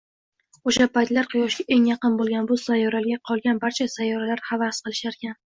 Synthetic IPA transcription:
oʃapʰajt̪laɾqʰɨjɒʃɡʲaʔe̞ŋjɑqɨnbolˠɡʲanbʊsajɒɾalɡʲaqʰɒlˠɡʲanbaɾt͡ʃʰasajːɒɾalaɾhavasqɨlˠɪʃaɾkʲan

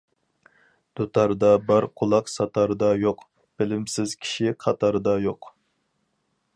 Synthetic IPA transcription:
d̪̥ot̪ʰɑɾd̪ɑbɑɾqʰolˠɑqsɑt̪ʰɑɾɨd̪ɑjoq | b̥ɪlɪmsɪzkʲʰi̥ʃiqʰɑt̪ʰɑɾɨd̪ɑjoq

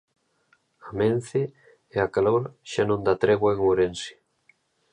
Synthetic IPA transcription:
amẽn̟θe | eakaloɾʃanõnd̪at̪ɾeɣwaeŋoɾensɪ̥

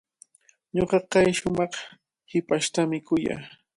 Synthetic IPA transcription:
ɲoqɑkajʃʊmɑχ | hɪpaʃt̪amɪkʊja̰ː

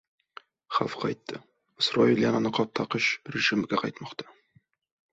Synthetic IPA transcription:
χa̰fqʰɑjt̪ːə | ɪsroilʲjɑnɑnəqʰɒt̪ʰːɑqəʃɾeʒɪmɪɡʲeqʰɑjt̪mɑqt̪ɑ̥

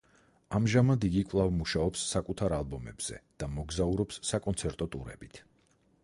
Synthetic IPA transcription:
amʒamad̪iɡikʼvlˠavmuʃaɔpsːakʼut̪ʰaɾalˠbɔmɛ̰bz̥ɛ̰d̪̥amɔɡzauɾɔpsːakʼɔnt̪sʰɛɾt̪ʼɔt̪ʼuɾɛ̰bit̪ʰ

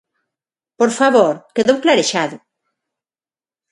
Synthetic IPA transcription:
poɾfaβoɾkeðowklaɾeʃaðʊ

